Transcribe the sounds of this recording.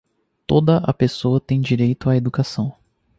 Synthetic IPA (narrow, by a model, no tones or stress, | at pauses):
t̪od̪ɐʔɐ̰pesoɐt̪ẽj̃d͡ʒiɾejt̪ʊaed̪ukasɐ̃w̃